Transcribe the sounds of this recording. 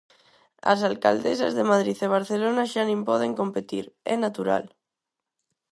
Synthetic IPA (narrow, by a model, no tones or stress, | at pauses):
a̰s̬alka̰ld̪esa̰zðemaðɾiθeβ̞aɾθelonaʃanĩmpɔð̞eŋkompet̪iɾenat̪uɾa̰l